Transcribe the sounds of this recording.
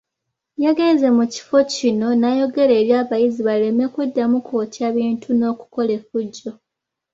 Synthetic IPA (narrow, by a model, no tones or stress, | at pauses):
jaɡe̞ːnze̞muci̥fo̞cino̞najo̞ɡe̞ɾeːɾjaːβajiziβale̞me̞kwudːamukoːtjaβiːntʰuno̞ːku̥ko̞le̞fuɟːo̞